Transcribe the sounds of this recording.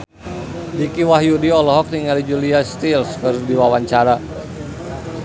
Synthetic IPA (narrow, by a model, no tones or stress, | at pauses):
dikiwaɦjudiɔlɔɦɔk̚niŋalid͡ʒuliast̪ilskərdiwawaɲt͡ʃaɾa